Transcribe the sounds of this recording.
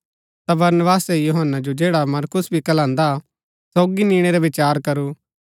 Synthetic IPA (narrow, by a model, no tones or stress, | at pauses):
t̪abɐɾnəbaːsɛjuɦənːad͡ʒod͡ʒeːɽamɐɾkʊsbʱikɐlãːnd̪a | sɔːɡiniːɽ̃eɾaʋɪt͡ʃaːɾkɐɾuː